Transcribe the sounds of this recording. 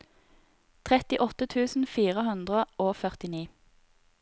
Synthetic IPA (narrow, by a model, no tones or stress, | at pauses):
t̪ʰʁɛt̪ɪʔɔt̪ət̪ʰʉːsn̩fiːʁəhʉnd̪ʁəoːfœʁt̪ɪniː